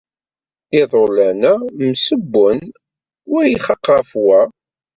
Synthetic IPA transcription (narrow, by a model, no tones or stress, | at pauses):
iðˤolænæmsəbːən | wʊɾjiχɑqːɑfwæ